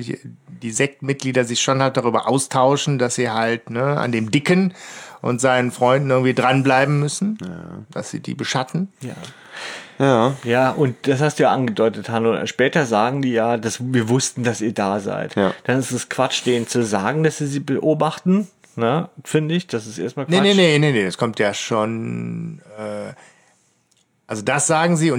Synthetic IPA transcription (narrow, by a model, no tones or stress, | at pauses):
d̥iːzɛk̚tmɪt̚ɡ̥liːdɐzɪçʃoːnhalt̚d̥aʁ̞yːbɐʔaʊstʰaʊʃn̩dasz̥iːɦaltnəa̰ndeːmdɪkənʔʊ̰ntz̥aɪnənfʁ̥ɔʏndn̩ʔɪɐɡŋ̩tv̥iːdʁanblaɪbm̩mːʏsn̩d̥asz̥ḭːdḭːbəʃatn̩jaː | jaːjaːʔʊnt̚d̥ashastd̥uːjaːʔanɡədɔʏtəthano̰ːʃpɛːtɐzaːɡŋ̩diːjaːdasviːɐvʊstn̩d̥asiːɐdaːza̰ɪtd̥anɪstɛskv̥at͡ʃd̥eːnt͡suzaːɡŋ̩d̥asz̥iːziːbəʔoːbaχtn̩ | nəfɪndəɪçd̥asɪsʔḛːɐstmaːlkneanenenenedaskʰɔmtjaːʃoːn | ɛː | ʔalzodasz̥aːɡŋ̩ziːʊn